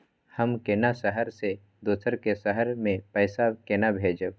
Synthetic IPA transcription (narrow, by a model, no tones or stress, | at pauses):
həmkeːnasəɦəɾse | d̪oːsəɾkesəɦəɾmẽpɛːsakeːnabʱeːd͡ʒə